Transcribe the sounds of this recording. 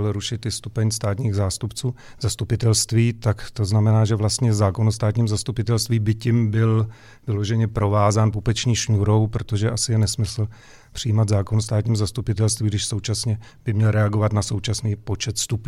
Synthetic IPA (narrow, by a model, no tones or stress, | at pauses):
lɾuʃɪt̪ɪst̪upɛɲst̪aːt̪ɲiːɣzaːst̪upt͡suː | zast̪upɪt̪ɛlst̪viːt̪akt̪o̞znamɛnaːʒɛvlast̪ɲɛzaːko̞nost̪aːt̪ɲiːmzast̪upɪt̪ɛlst̪viːbɪcɪmbɪl | vɪlo̞ʒɛɲɛpɾo̞vaːzaːnpupɛt͡ʃɲiːʃɲuɾo̞wpɾot̪oʒɛʔasɪjɛnɛsmɪsl̩ | pr̥ɪjiːmad̪zaːkonst̪aːt̪ɲiːmzast̪upɪt̪ɛlst̪viːɡdɪʃsowt͡ʃasɲɛ | b̥ɪmɲɛlɾɛaɡo̞vat̪naso̞wt͡ʃasniːpo̞t͡ʃɛt̪st̪upɲ